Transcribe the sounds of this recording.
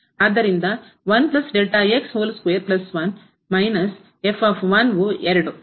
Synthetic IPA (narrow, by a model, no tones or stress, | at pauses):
aːd̪ːɐɾind̪ɐ | ʋɐnplɐsɖeːʈaeksɦoːlskʋeːɾplɐsʋɐn | mɐjnɐs | efʰaːfʰʋɐnʋueɾɽu